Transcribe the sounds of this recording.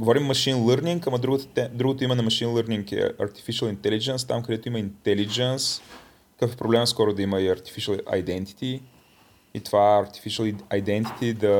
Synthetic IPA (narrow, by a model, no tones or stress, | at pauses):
ɡovɔɾimːɐʃinlˠəɾniŋkɐmɐd̪ɾuɡot̪t̪ɛd̪ɾuɡot̪ʊimɛnɐmɐʃinlˠəɾniŋkɛ̰ɐ̰ɾt̪i̥fiʃɐlˠint̪ɛlid͡ʒɛnst̪a̰mkɐd̪ɛt̪ʊiməint̪ɛlid͡ʒɛns | kəfɛpɾoblɛmɐskɔɾʊd̪ɐiməiɐɾt̪i̥fiʃəlˠɐ̰jd̪ɛnt̪i̥t̪i | it̪ovaɛɐɾt̪i̥fiʃɐlˠajd̪ɛnt̪i̥t̪id̪ɐ